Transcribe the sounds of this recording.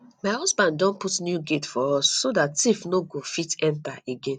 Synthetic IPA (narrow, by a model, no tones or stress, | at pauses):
maɪhɔsbãndːɔ̃nputnjuɡetfɔɔsːodatːifnoɡofitɛ̃ntaeɡẽn